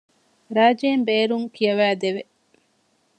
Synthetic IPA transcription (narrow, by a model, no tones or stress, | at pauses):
ɾaːd͡ʒeːmbeːɾuŋkʰijɐʋæːd̪eʋe